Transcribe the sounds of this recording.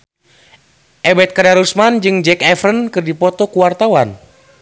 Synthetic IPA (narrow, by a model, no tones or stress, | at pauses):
ʔɛbɛt̪̚kadaɾusmand͡ʒɨŋd͡ʒɛkɛfrənkɨrdipɔt̪ɔkuwart̪awan